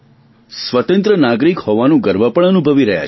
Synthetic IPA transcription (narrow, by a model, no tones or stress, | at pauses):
sʋət̪ə̃nt̪ɾənaɡɾikhoʋanũɡəɾbəpəɳənubʱəʋiɾəɦja̰t͡ʃ